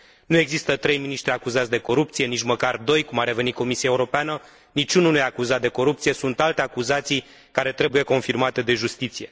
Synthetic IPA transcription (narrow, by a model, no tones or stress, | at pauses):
nue̞ɡzist̪ət̪ɾe̞jminiʃt̪ɾʲiakuzat̪sʲd̪e̞ko̞ɾupt̪sije̞nit͡ʃməkard̪o̞jkumarɾe̞ve̞nit̪ko̞misiaeuɾo̞peanə | nit͡ʃununujaːkuzat̪̚d̪e̞ko̞ɾupt̪sije̞sunt̪alt̪e̞akuzat̪sij | kaɾe̞t̪ɾe̞buje̞ko̞nfirmat̪e̞d̪e̞ʒust̪it̪sije̞